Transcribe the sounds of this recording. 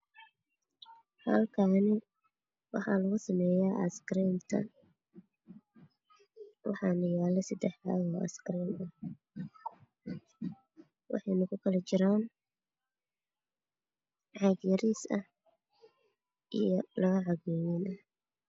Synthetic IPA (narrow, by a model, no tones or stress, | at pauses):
hɐ̰lkʰaːnɪ | wɑ̰ħɑ̰lɐɣʊsɐmɛːjaːʔɐ̰skɾiːmt̪ʰɐ̰ | wɑ̰ħɑnɐjaːlɐsɐd̪ɛħaːɣɔːɐ̰skɾiːmɐh | wɑ̰ħɑjnɐkʰʊkʰɐlɛt͡ʃɪɾaːn | ʕɑɡjɐɾiːsɐh | ʔijɔlɐɣɐʕɑɣɔːwɪnʔɐ